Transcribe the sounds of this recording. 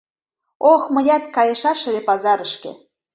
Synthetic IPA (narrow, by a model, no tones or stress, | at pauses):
oxmə̆jʲɑt̪̚kɑjɤ̆ʃɑʃɤ̆lepɑzɑɾəʃkḛ